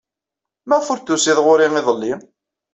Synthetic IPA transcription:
mæfʊɾt̪ːusiðʁʊɾiŋiðˤəlːi

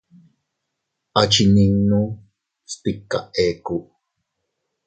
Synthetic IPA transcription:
ʔat͡ʃiniŋnu | st̪ikːa̰ʔeːkuʔ

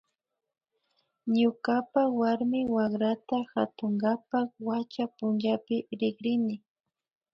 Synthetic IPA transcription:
ɲʊkapawaɾmɪwakɾat̪axat̪ʊŋɡapakwat͡ʃapʊnd͡ʒapɪɾɪɡɾɪnɪ

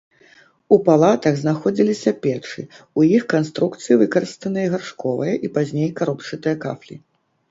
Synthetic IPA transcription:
upalˠat̪ɐɣznaxɔd͡zʲilʲisʲɐpʲɛt͡ʂɨ | ujixkanst̪ɾukt̪sɨjivɨkɐɾɨst̪ɐnɨjɐɣarʂkɔvɐjɐʔipazʲnʲejkaɾɔpt͡ʂɨt̪ɨjɐka̰flʲḭ

